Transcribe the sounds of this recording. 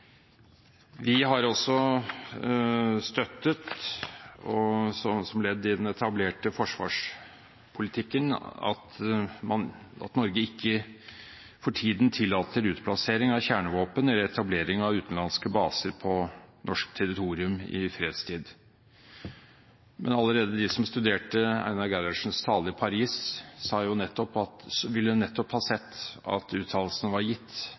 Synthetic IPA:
ʋɪɦɑɾɔsːɔ | st̪œt̪ːət̪ | ɔɔsɔmlɛd̪ːɪd̪ɛnɛt̪ʰɑbleːʈəfɔʂʋɑ̰ːʂ | pʰʊlɪt̪ʰɪkːənɑ̰t̪mɑnɑ̰t̪nɔɾɡəɪkːə | fɔʈʰiːd̪nt̪ʰɪlːɑːt̪ʰəɾʉːt̪pʰlɑseːɾɪŋɑʋçæːɳəʋoːpənɛlːəɾɛt̪ʰɑbleːɾɪŋɑʋʉːt̪n̩lɑnskəbɑːsəɾpʰɔnɔʂkt̪ʰɛɾɪt̪ʰuːɾɪʉmɪ̰fɾeːd̪st̪ʰiːd̪ | mɛ̰nɑləɾeːd̪əd̪ɪsɔmst̪ʉd̪eːʈəæ̰ɪnɑɡæɾɑʂn̩st̪ʰɑːləɪpʰɑɾiːssɑːjʊnɛt̪ːɔpɑt̪sʋɪlːəd̪nɛt̪ːɔphɑːsɛt̪ːɑ̰t̪ʉːt̪ʰɑːllsnʋɑɾjɪt̪ː

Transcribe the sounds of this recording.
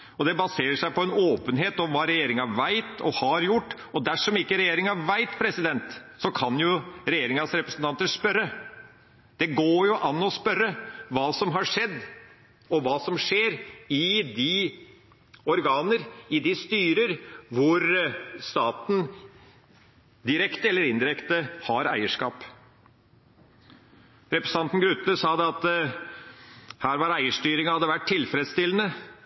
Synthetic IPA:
ɔd̪ɛbɑseːɾəʂæɪpʰɔɛnoːpənɦeːt̪ɔmʋɑːɾɛjeːɾɪŋɑʋæɪt̪ɔhɑɾjʊʈː | ɔd̪æʂɔmɪkːəɾɛjeːɾɪŋɑʋæɪt̪pʰɾɛsɪd̪ɛnt̪sɔkʰɑnjʊɾɛjeːɾɪŋɑsɾɛpɾəsnt̪ɑnt̪əspœɾːə | d̪̥ɛɡoːjʊʔɑnːɔspœɾːəʋɑːsɔmɦɑʂɛd̪ː | ɔʋɑːsɔmʂeːɾɪd̪ɪ | ɔɾɡɑːnəɾɪd̪ɪst̪yːɾəɾʋʊɾst̪ɑːt̪n̩ | d̪ɪɾɛkt̪əɛlːəɾɪnd̪ɪɾɛkt̪əhɑɾæ̰ɪəʂkɑːp | ɾɛpɾɛsɑnt̪n̩ɡɾʉt̪ːəsɑːd̪ɛɑt̪ | hæːɾʋɑɾæɪəʂʈyːɾɪŋəhɑd̪ːəʋæʈʰːɪlfɾɛd̪st̪ɪlːənə

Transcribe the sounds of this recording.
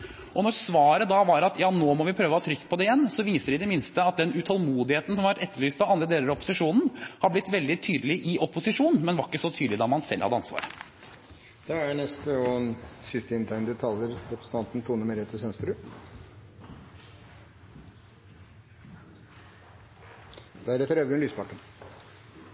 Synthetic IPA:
ʔɔnɔɾsʋɑːɾəd̪ɑʋɑɾɑt̪jɑːnoːmɔʋɪpʰɾøːʋəhɑːt̪ʰɾʏkːpʰɔd̪ɛɪjɛnːsɔʋiːsəɖɪd̪ɛmɪnst̪əɑt̪̚d̪ɛnʉt̪ʰɑlmuːd̪ɪheːt̪n̩sɔmhɑʋæʈɛt̪ːəɭyːst̪ɑʋɑnd̪ɾəd̪eːləɾɑɔpːʊsɪʂuːnn̩hɑblɪt̪ːʋɛld̪ɪt̪ʰyːd̪əlɪʔɪʔɔpʊsɪʂuːnmɛnʋɑɾɪkːəsɔt̪ʰyːd̪lɪd̪ɑmɑnsɛ̰lːhɑ̰d̪əɑnsʋɑ̰ːɾə | d̪̥ɛænɛst̪əɔnsɪst̪əɪnt̪ʰæɪnəd̪ət̪ʰɑːləɾɾɛpɾəs̩ɑnt̪n̩t̪ʰuːnəmeɾeːt̪ʰəsœnst̪ɾʉ | d̪æɾɛt̪əɾɛʋ̪əɛnlyːspʰɑʈɳəɳ

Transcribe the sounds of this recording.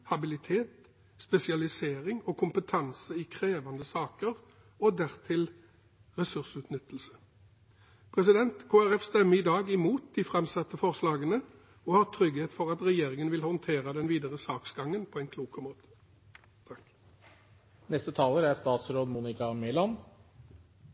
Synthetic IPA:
hɑbɪlɪt̪ʰeːt̪ | spɛsɪɑlɪseːʁɪŋɔkʰʊmpət̪ʰɑnsəɪkʰʁeːʋɑnd̪əsɑːkəʁ | ɔd̪æʁt̪ʰɪl | ʁɛsʉʁsʉːt̪nʏt̪ːl̩sə̥ | pʰʁɛs̬ɪd̪ɛnt̪kʰoːæʁɛfst̪ɛmːəɪd̪ɑːɡɪmuːt̪̚d̪iːfʁɛmsɑt̪ːəfɔʁslɑːɡənə | ɔhɑːt̪ʰɾʏɡheːt̪fɔʁɑt̪ʁɛjeːʁɪŋənʋɪlhɔnt̪ʰeːʁəd̪ɛnʋiːd̪əʁəsɑːksɡɑŋːənpʰɔɛɪnkʰluːkəmoːt̪ə̥ | t̪ʰɑ | nɛst̪ət̪ʰɑːləɾæɾst̪ɑːt̪sɾoːd̪muːnɪkɑmɪlɑn

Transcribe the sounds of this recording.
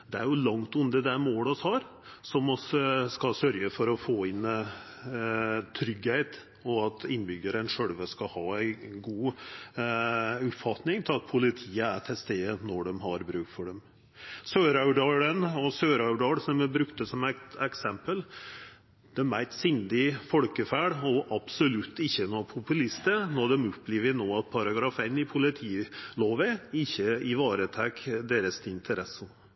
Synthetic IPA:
d̪ɛæ̰ɾjʊlɑŋt̪ʉnd̪əd̪ɛmoːlɔshɑːɾsɔmɔsskɑsœɾjəfɔɾɔfoːɪn | t̪ʰɾʏɡheɪt̪ | ɔɑt̪ɪnːbʏɡəɾənʂœɽʋəskɑhɑːæɪɡuː | ʉpfɑt̪nɪŋt̪ʰɪlɑt̪̚pʰʊlɪt̪ʰiːəæt̪ʰɛst̪eːənɔɖɛmɦɑɾbɾʉːkfɔɖɛm | søːɾɑʉɖɑːɽənɔsøːɾɑʉɖɑːɽsɔmɛbɾʉkt̪əsɔmæt̪ɛksɛmpəl | d̪̥ɛmæɪt̪sʏnd̪ɪfɔlkəfæːɽɔʔɑb̥sɔlʉt̪ʰːɪçːənɔpʰʊpʉlɪst̪ənɔɖ̪ɛmʉpːliːʋənoːɑt̪̚pʰɑɾɑɡɾɑfɛnːɪpʰʊlɪt̪ʰiːloːʋəɪçːəɪʋɑːɾət̪ʰɛkːd̪eːɾəst̪ʰɪnt̪ʰəɾɛsːə

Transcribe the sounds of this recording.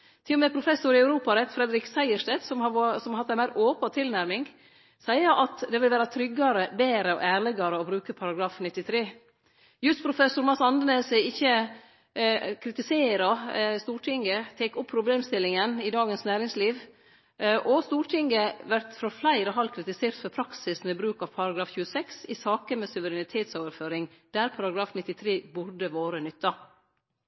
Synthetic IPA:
t̪ʰɪlʊmɛːpʰɾʊfɛsʊɾɪɑʉɾuːpɑɾɛt̪fɾɛd̪ɾɪksæɪəʂʈɛt̪sɔmɑsɔmɾhɑt̪ːæɪnmæɪɾʔoːpɑt̪ʰɪlnæɾmɪŋ | sæɪəɾʔɑt̪d̪ɛʋɪlʋæːɾɑt̪ʰɾʏɡːɑɾəbeːɾəɔ̰ʔæːɾɭɛɡɑɾəɔbɾʉːkəpʰɑɾɑɡɾɑːfnɪt̪ːɪt̪ʰɾeː | jʉst̪pʰɾʊfɛsʊɾmɑsɑnd̪əneːsɪɪçːə | kʰɾɪt̪ɪseːɾɑst̪uːɾʈʰɪŋɡət̪ʰeːkʊpʰːɾʊbleːmst̪ɪlːɪŋənɪd̪ɑːɡənsnæːɾɪŋsliːʋ | ʔɔst̪uːɾʈʰɪŋɡəʋæɾt̪fɾɔflæɪɾɔɦɑlkʰɾɪt̪ɪseːɾt̪fœɾpʰɾɑksɪsmɛbɾʉːkɑʋpʰɑɾɑɡɾɑːfçʉːəsɛksɪsɑːkəmeːsʉʋəɾɛnɪt̪ʰeːt̪soːʋəɾføːɾɪŋd̪̥æːɾpʰɑɾɑɡɾɑːfnɪt̪ːɪt̪ʰɾeːbʊɾɖəʋoːɾənʏt̪ːɑ

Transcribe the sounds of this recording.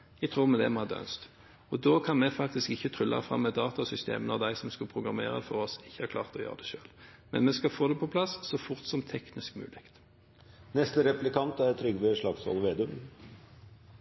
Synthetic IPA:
æɪt̪ʰʁuːʁmɛd̪ɛ̰mɔhɑd̪œ̰nst̪ | ɔd̪oːkʰɑnmɛfɑk̚t̪ɪskɪçːət̪ʰʁʏlːɑ̰fʁɑ̰mːɛd̪ɑːt̪ɑsʏst̪ḛːmənɔʁd̪æɪsɔmskʉpʰʁʊɡʁɑmeːʁə̰fɔʁɔsɪçːə̥hɑʁkʰlɑ̰ːʁt̪ɔjø̰ːʁəd̪ɛʃø̰ːlmɛ̰nmɛskɑfoːd̪ɛpʰɔpʰlɑsːɔfʊʁt̪sɔmt̪ʰɛknɪskmʉ̰ːlɪkt̪ | nɛst̪əɾɛplɪkʰɑnt̪æɾt̪ʰɾʏɡʋɪʂɭɑksɑ̰lʋeːd̪ʉm

